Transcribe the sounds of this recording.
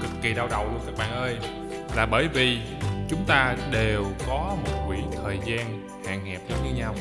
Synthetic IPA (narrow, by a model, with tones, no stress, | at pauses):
t̪ɨ˨˩kːi˨˩ɗaː˧wɗə˨˩wlu˧əŋkaː˦˥k̚ɓa̰ː˧˨nʔəː˧j | laː˨˩ɓəː˧˩jvi˨˩ | t͡ɕʊ˨˦ŋ͡mt̪aː˧ɗe˨˩wkɔ˨˦mo˨˩t̚kwḭ˧˩t̪ʰəː˨˩jzaː˧n | ha̰ː˨ŋhɛ˨˩p̚zə˨˦ŋ͡mɲɨ˧ɲa˧w